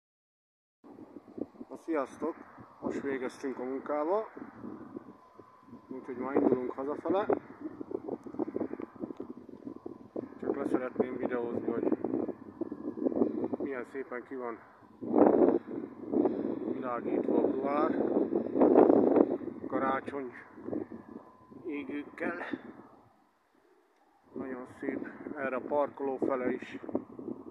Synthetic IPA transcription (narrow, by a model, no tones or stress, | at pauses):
ɒsijɒst̪o̞koʃʋeːɡɛst̪yŋkɒmuŋkaːbɒ | uːcho̞ɟmaːɾind̪uluŋkhɒzɒfɛlɛ | t͡ʃɒklɛsɛɾɛt̪neːmvid̪ɛozniɦo̞ɟ | ijɛnseːpɛŋkivɒn | vilaːɡiːt̪ʋɒbuaːr | kɒɾaːt͡ʃo̞ɲ | eːɡyːkːɛl | nɒɟo̞nseːpɛːrɛɒpɒrkoloːfɛlɛiʃ